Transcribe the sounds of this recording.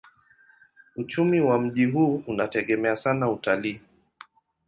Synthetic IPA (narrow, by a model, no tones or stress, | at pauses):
ut͡ʃumiwam̩ʄiɦuːunatɛɠɛmɛasanautaliː